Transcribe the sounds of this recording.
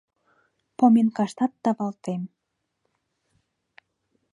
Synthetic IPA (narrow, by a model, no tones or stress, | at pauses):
pomenkɑʃt̪ɑt̪ːɑβɑlt̪em